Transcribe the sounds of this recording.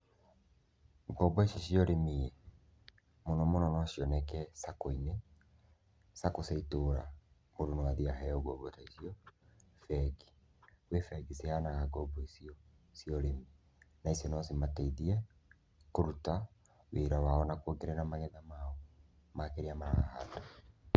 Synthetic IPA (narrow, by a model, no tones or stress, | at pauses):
ɡɔbɔisɔɕiɔɾemiɛ | monɔmonɔnɔʃiɔnɛkɛsakoinɛ | sakoseitoɾa | moɾunoaðiaɦɛɔɡɔbɔtaisiɔ | fɛɡi̥ | wefɛɡiseanaɣaɡɔbɔisiɔ | siɔɾemi | naisɔnɔsimataiðiɛ | koɾuta | weɾawaɔnakwoɡeɾeɾamaɣɛðamaɔ | makeɾiamaɾaɣa̰hada